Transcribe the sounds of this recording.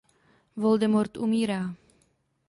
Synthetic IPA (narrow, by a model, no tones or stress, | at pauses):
vold̪ɛmoɾt̪ʔumiːɾaː